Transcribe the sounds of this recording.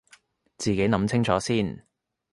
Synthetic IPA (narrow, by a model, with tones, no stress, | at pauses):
t͡siː˨˩ke˨˥jnɐ˨˥mt͡sʰɪ˥ŋt͡sʰɔː˨˥siː˥˩n